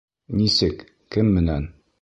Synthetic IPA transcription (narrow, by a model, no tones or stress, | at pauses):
nisɘk | kɘmːɘ̆næn